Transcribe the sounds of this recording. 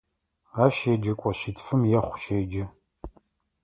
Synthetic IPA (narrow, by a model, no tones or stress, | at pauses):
aːʃeːd͡ʒɐkʷʼɔʃitfɨmjɛχʷʃeːd͡ʒɐ